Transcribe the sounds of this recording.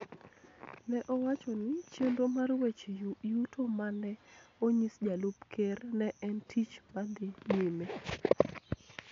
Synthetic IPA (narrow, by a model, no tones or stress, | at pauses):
nɛʔɔwat͡ʃɔnɪt͡ʃendomarwet͡ʃejujutʰomanɛoɲisd͡ʒalupkʰernɛʔɛntʰit͡ʃmadeneme